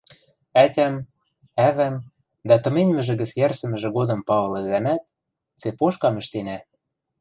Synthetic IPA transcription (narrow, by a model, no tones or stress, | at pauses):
ætʲæm | æβæm | d̪æt̪ɤ̆menʲmɘ̆ʒɘ̆ɣɘ̆t͡sjærsə̆mɘ̆ʒĕɣod̪ɤ̆mpɑβɤ̆lɤ̆zæmæt̪̚ | t͡sepoʃkɑmɘ̆ʃt̪enæ